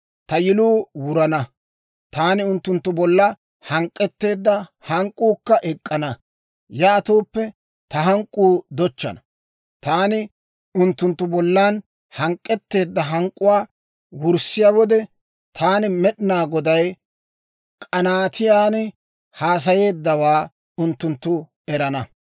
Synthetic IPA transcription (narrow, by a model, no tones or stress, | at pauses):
t̪ɐjɪluːwʊɾɐnɐ | t̪aːnɪʊnt̪ːʊnt̪ːʊbɔlːɐ | hɐŋkʼːɛt̪ːe̞ːd̪ːɐhɐŋkʼːuːkːɐʔɛkʼːɐnɐ | jaːt̪oːpːɛ | t̪ɐɦɐŋkʼːuːd̪ɔt͡ʃːɐ̰nɐ | t̪aːnɪ | ʊnt̪ːʊnt̪ːʊbɔlːaːn | hɐŋkʼːɛt̪ːe̞ːd̪ːɐɦɐŋkʼːʊwaː | wʊɾsɪjawɔd̪ɛ | t̪ʰaːnɪmɛɗnaːɡɔd̪ɐj | kʼɐnaːt̪ʰɪjaːnɪ | haːs̬ɐje̞ːd̪ːɐwaː | ʊnt̪ːʊnt̪ːʊ | ɛɾɐnɐ